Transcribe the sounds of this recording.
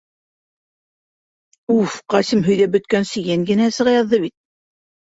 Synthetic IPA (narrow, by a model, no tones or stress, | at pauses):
ufqɑsɘmɦɵ̆jðæbɵ̆t̪̚kænsɘ̆jæŋɡɘ̆næsɤ̆ʁɑjɑðːɤβit̪̚